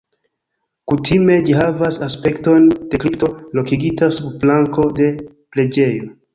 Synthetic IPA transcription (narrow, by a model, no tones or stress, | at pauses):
kutʰime̞d͡ʒiɦavasaspe̞kto̞nd̥e̞kɾipto̞lo̞kiɡitasubblaŋko̞de̞ | ple̞d͡ʒe̞jo̞